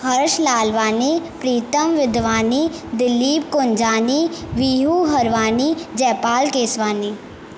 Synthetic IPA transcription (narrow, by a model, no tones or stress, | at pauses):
hɐɾʃlaːlʋaːnipɾiːt̪əmʋɪd̪ʋaːniːd̪ɪlːiːp̚kʊnd͡ʒaːniːʋiːɦuɦɐɾʋaːnid͡ʒɛːpaːlkeːsʋaːniː